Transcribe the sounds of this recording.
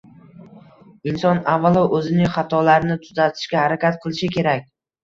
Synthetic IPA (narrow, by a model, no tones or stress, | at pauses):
ɪnsɒnavːalˠɒʔɵzɪnɪχat̪ʰɒlaɾɪnɪt̪ʰʊzat̪ʰɪ̥ʃkʲahaɾakʲat̪qʰɨlˠɪʃɪkʲʰe̞ɾakʲ